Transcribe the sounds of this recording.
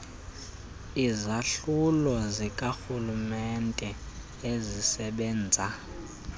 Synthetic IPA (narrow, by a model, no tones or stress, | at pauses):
izaɬulɔzikʼaxulumɛntʼɛ | ezisɛɓɛːnd͡zʱa